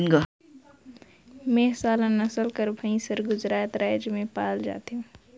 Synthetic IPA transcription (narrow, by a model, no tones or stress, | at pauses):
nɡa | mẽːsaːlãnɐsəlkəɾbʱə̃ĩsəɾɡʊzɾaːt̪ɾaːd͡ʒmẽpaːld͡ʒa̰ːt̪eɦũː